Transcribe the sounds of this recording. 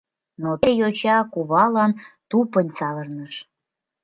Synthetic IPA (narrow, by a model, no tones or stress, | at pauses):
not̪ejot͡ɕɑkuβɑlɑnt̪upənʲt͡sɑβərnəʃ